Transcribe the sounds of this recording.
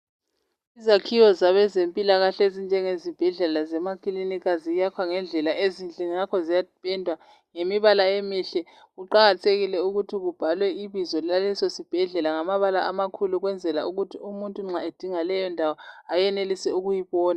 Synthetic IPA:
izakʰijɔzaβɛzempʼilaɣaɬezind͡ʒʱɛŋezib̥ʱɛɮɛlazɛmakʰʼilinikʰazijakʰwaŋɛnd͡ɮʱɛlaʔezind͡ɮʱʼiniŋakʰɔzijapʰʼɛndʱwa | ŋemiβalaemiɬɛ | ɣuǃaɣatʰeɣilɛuɣutʰiɣub̥ʱalwɛiβizɔalɛsɔsib̥ʱɛɮɛlaŋamaβala̰ʔamakʰuluɣwɛnd͡zʱɛla̰uɣutʰiumuntʼuŋ͡ǁaed̥ʱiŋalɛjɔndʱawɔajɛnelisɛuɣujiβɔːna

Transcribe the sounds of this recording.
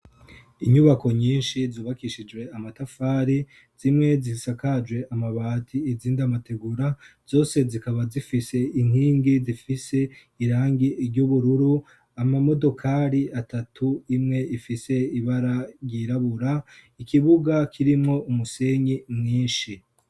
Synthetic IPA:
iɲuβako̞ɲiːnʃizuːβakiʃid͡ʒwe̞amatafaːɾi | z̥imŋe̞zisakad͡ʒwe̞ʔamaβaːtʰiiziːndamate̞ɡuɾaz̥o̞ːse̞zikaβazifise̞in̥hiːŋɡizifise̞ | iɾaːŋɡiɾɟuβuɾuɾu | amamo̞do̞kʰaːɾiatatʰuimŋe̞ifise̞iβaɾaɾjiɾaβuɾaikiβuɡakʰiɾimŋo̞umuse̞ɲimŋiːnʃi

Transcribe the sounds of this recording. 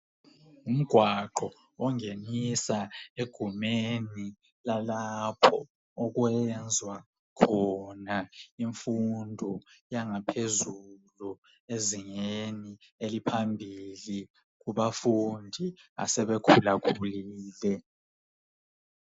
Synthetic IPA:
um̩ɡ̥ʱwaǃɔ | ɔŋenisaeɡ̥ʱumeni | lalapʰɔ | ɔɣ̬wɛnd͡zʱwa | kʰɔnaiɱfundʱɔjaŋapʰezulu | eziŋeni | elipʰambʱili | k̬uβafundʱia̰sɛβɛkʰulakʰuliːlɛ

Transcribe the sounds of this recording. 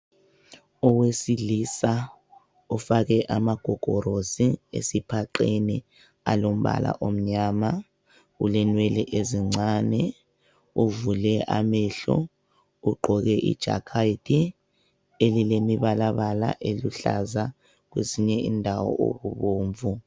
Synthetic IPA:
ɔwesilisa | ufakɛʔamaɡ̥ʱɔɡ̥ʱɔɾosiḛsipʰaǃeni | alom̩βa̰la̰ʔom̩ɲaːma | ulɛnwɛlɛʔeziŋ͡ǀʱanɛ | uvulɛʔamɛɬɔ̰ | uɡ͡ǃʱɔɣɛʔḭd̥ʒ̥ʱa̰kʰaitʰʼi | elilemiβalaβala̰ʔeluɬa̰za | k̬wesiɲɛindʱawɔ̰ʔo̰ɣuβoːɱvu

